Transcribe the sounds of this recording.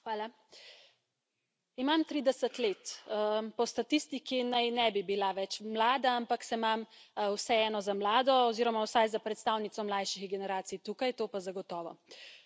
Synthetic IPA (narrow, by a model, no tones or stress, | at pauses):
xʋaːla | imamt̪ɾiːd̪ɛsət̪leːt̪pɔst̪at̪ist̪ikinajnɛbibilaʋɛt͡ʃmlaːd̪aampaksɛmamwsɛɛːnɔzamlaːd̪ɔɔziːɾɔmawsajzapɾɛt̪st̪awnit̪sɔmlajʃiɣɡɛnɛɾaːt̪sijt̪uːkajt̪oːpazaɡɔt̪ɔːʋɔ̰